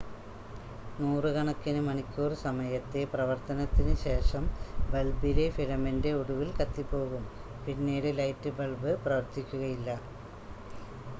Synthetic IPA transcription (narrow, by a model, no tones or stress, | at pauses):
nuːrɨkɐɳɐkːinɨmɐɳikʲːuːrsɐmɐjɐt̪ːe̞prɐʋɐrt̪ɐnɐt̪ːinɨɕe̞ːʂɐmbe̞lbile̞fiɻɐmɐnde̞uɽuʋilkɐt̪ːipːo̞ːɣum | pinːeːɽɨlɐjtːɨbelbɨprɐʋɐrt̪ikʲːuɣɐjilːɐ